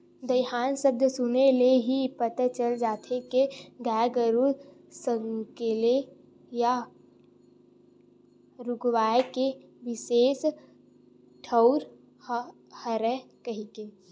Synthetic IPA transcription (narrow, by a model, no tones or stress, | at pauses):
d̪əjɦaːnsəb̚d̪ʱsʊneleɦipət̪at͡ʃəld͡ʒaːt̪ʰekeɡaːjɡəɾu | səŋkele | ja | ɾʊɡwaːekeʋɪseːs | ʈʰəʊɾ | həɾɛkəɦike